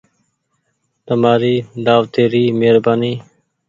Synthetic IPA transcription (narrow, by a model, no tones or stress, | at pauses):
t̪əmaːɾiːd̪aːʋt̪eːɾiːmeːɾbaːniː